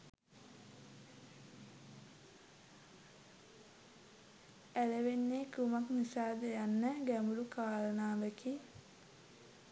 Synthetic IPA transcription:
æləʋenːekumaknisaːd̪əjanːəɡæmulukaːlənaːbeki

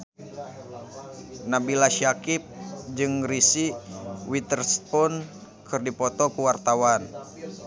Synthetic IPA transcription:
nabilaʃakip̚d͡ʒɨŋrisiwit̪ɛrspɔn | kʰɨrdipɔt̪ɔkuwart̪awan

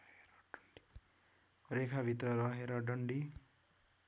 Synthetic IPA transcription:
eɾʌɖʌɳɖi̥ | rekʰabʱit̪rʌɾʌɦeɾʌɖʌɳɖi

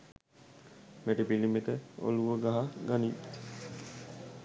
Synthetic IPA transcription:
meʈibilimekəo̰luʋəɡaɦaɡani

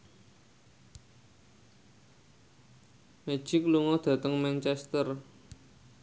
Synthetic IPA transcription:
me̥ʒ̥ikluŋɔd̪̥ä̤t̪əŋmɛnt͡ʃɛst̪ər

